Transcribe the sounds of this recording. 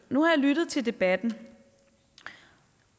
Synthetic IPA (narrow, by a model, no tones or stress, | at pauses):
nuhɑ̈jɑlydð̞̩ˠt͡sʰe̝ld̥e̝b̥æd̥n̩